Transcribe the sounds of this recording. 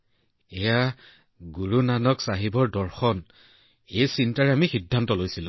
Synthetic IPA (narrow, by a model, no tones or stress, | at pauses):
eja | ɡuɹunanɔksaɦibɔɹdɔɹxɔn | ejsintaɹɛamixidʱːantɔlojsilʊ̃